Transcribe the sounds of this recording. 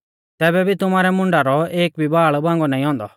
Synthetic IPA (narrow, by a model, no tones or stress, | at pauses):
t̪ɛːbɛbʱit̪ʊmaːɾɛmʊ̃ɳɖaɾɔeːk̚bʱibaːɭbãːŋɡɔnãːĩɦɔ̃ːnd̪ɔ̰